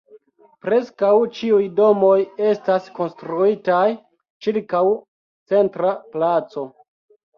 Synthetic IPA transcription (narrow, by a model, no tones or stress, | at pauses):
pɾe̞skawt͡ʃiujdo̞mo̞je̞stasko̞nstɾuitaj | t͡ʃiɾkaw | t͡se̞ntɾaplat͡so̞